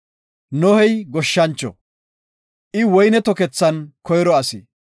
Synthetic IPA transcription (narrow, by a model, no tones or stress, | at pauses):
nɔhɛjɡɔʃːɐnt͡ʃːɔ̰ | ʔɪwɔjnɛt̪ɔkɛt͡sːɐnkɔjɾɔɐsi